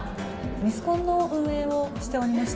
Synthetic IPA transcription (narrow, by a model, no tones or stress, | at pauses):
mʲisɨ̥kõ̞nːo̞ɯ̃ɰ̃e̞ːoɕi̥t̪e̞o̞ɾʲimaɕi̥